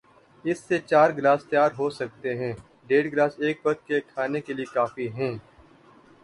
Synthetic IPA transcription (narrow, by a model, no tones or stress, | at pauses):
ɪsːet͡ʃaːɾɡlaːst̪jaːɾɦosɐk̚t̪eɦɛ̃ː | ɖeːɖɡlaːseːk̚bɐd̪̚kekʰaːnekeliekaːfiɦɛ̃ː